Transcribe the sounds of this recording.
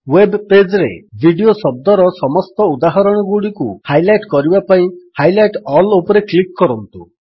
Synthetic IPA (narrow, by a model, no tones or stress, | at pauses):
webped͡ʒɾḛbʱiɖiosɔb̚d̪ɔɾɔsɔmɔst̪ɔud̪aɦɔɾɔɽ̃ɔɡuɽikuhajlajʈkɔɾibapaĩhajlajʈɔlopɔɾeklikːɔɾɔnt̪ṵ